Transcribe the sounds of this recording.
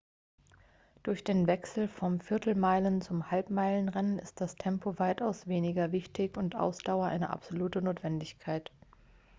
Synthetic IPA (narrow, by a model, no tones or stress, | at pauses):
d̥ʊɐçd̥eːnvɛksl̩fɔmfɪɐtʰl̩maɪlənt͡sʊmhalpmaɪlənʁɛnənɪ̰st̚d̥astʰɛmpʰovaɪtaʊsv̥eːnɪɡɐvɪçtɪçʊntʔa̰ʊsd̥aʊɐʔa̰ɪnə̰ʔa̰pz̥oluːtənoːtv̥ɛndɪçkʰaɪt